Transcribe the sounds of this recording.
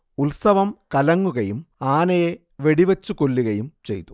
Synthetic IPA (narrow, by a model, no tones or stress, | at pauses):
ulsɐʋɐmkɐlɐŋːuɣɐjumaːnɐje | ʋeɽiʋɐt͡ɕːukolːiɣɐjumt͡ɕḛjt̪u̥